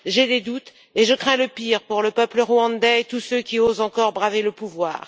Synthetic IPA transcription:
ʒed̪ed̪ut̪ | eʒəkχɛ̃ləpiʁpuʁləpœpləʁuɑ̃d̪ɛt̪usøkʲiozɑ̃kɔʁbʁaveləpuvwa̰ːʁ

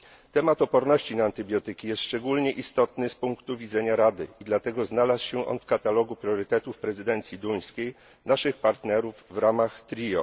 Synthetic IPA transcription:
t̪ɛmat̪ɔpɔɾnɔɕt͡ɕinaːnt̪ɘbʲjɔt̪ɘkʲijɛst̪ʂt͡ʂɛɡulɲɛʔist̪ɔt̪nɘspuŋkt̪uvʲid̪zɛɲaɾad̪ɘ̰id̪lat̪ɛɡɔznalaswɕɛʔɔ̰nfkat̪alɔɡupɾʲjɔɾɘt̪ɛt̪ufpɾɛzɘd̪ɛnt̪sʲjid̪uj̃skʲej | naʂɘxpaɾt̪nɛɾuvːɾamaxt̪ɾʲijɔ

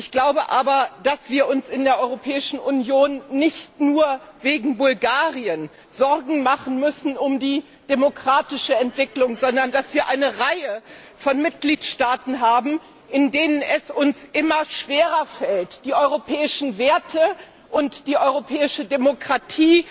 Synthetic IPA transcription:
ʔɪçɡ̥laʊbəʔaːbɐd̥asv̥iːɐʔʊnsɪndeːɐʔɔʏʁopʰɛːɪʃn̩ʔʊnjoːnːɪçtnuːɐveːɡŋ̩bʊlɡaːʁiən | z̥ɔʁɡŋ̩maχn̩mʏsn̩ʊmdiː | d̥emokʁ̥aːtɪʃəɛntv̥ɪklʊŋzɔndɐndasv̥iːɐʔaɪnəʁaɪə | fɔnmɪt̚ɡ̥liːtʃtaːtn̩ɦaːbm̩ | ʔɪndeːnənɛsʊnsʔɪmɐʃv̥eːʁɐfɛltd̥iːʔɔʏʁopʰɛːɪʃn̩veːɐtʰə | ʔʊntd̥iːʔɔʏʁopʰɛːɪʃədemokʁ̥atʰiː

